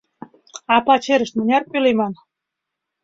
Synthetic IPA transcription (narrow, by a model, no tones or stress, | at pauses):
ɑpɑt͡ɕeɾə̆ʃt̪̚mə̆nʲɑrpylemɑn